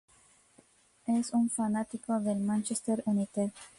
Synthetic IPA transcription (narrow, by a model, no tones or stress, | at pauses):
esunfanat̪ikod̪elmant͡ʃest̪eɾunit̪e